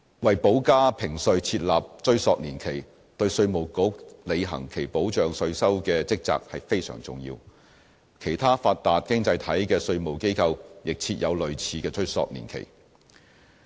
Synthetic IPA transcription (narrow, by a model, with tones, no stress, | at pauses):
wɐ˨˩jpo˨˥wkaː˥pʰɪ˨˩ŋsɵ˨˧ɥt͡sʰiː˧t̚laː˨p̚t͡ʃɵ˥ɥsɔː˧k̚niː˨˩nkʰe˨˩j | t̪ɵ˧ɥsɵ˧ɥmo˨˩wkʊ˨˥k̚le˨˧jɦɐ̰˨˩ŋkʰe˨˩jpo˨˥wt͡ʃœː˨ŋsɵ˧ɥsɐ˥wkɛː˧t͡sɪ˥k̚t͡sa̰ː˧k̚hɐ˨jfe˥jsœ̰ː˨˩ŋt͡sʊ̰˨˩ŋjḭː˧w | kʰe˨˩jt̪ʰaː˥faː˧t̚t̪ːaː˨t̚kɪ˥ŋt͡sɐ˧jt̪ʰɐ˨˥jkɛː˧sɵ˧ɥmo˨wke˥jkʰɐ˧wjɪ˨k̚t͡sʰiː˧t̚jʔɐ˨˧wlɵ˨ɥt͡sʰiː˨˧kɛː˧t͡ʃɵ˥ɥsɔ̰ː˧k̚nḭː˨˩nkʰḛ˨˩j